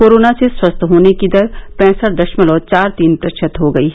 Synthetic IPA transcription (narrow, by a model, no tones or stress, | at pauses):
koːɾoːnaseswɐst̪ʰɦoːnekid̪ɐɾpɛ̃ːsəɾd̪ɐʃməlɔːɾt͡ʃaːɾt̪iːnpɾɐʃʰət̪ɦoɡɐiː